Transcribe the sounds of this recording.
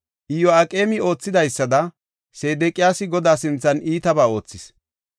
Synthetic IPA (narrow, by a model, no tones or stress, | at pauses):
ʔɪjɔɐkʼe̞ːmɪo̞ːt͡sːɪd̪ɐjsːɐd̪ɐ | se̞ːd̪ɛkʼɪjaːsɪɡɔd̪aːsɪnt͡sːɐniːt̪ɐbaːo̞ːt͡sːɪs